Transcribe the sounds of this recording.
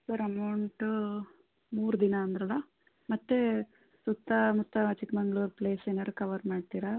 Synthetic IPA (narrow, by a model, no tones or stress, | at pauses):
sɐɾɐmɐwɳʈ | muːɾd̪inɐːnd̪ɾɐlːɐ | mɐt̪ːe | sut̪ːɐmut̪ːɐt͡ʃikbɐŋɡɭuːɾpleːsenɐɾukɐʋɐɾmaːɖt̪iːɾa